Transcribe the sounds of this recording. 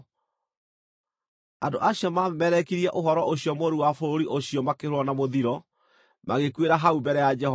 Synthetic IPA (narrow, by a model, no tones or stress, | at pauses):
andoʔaɕiɔmamɛɾɛkiɾiɛʔoɦɔɾɔʔoɕiɔmoɾuwafoɾoɾiʔoɕiɔmakehɾowɔnamoðiɾɔ | maɣekweɾaɦaubɛɾɛjad͡ʒɛhɔ